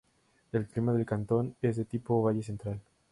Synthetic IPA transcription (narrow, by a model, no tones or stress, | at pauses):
elklimaðelkant̪o̞nezðet̪ipoβaʝese̞nt̪ɾal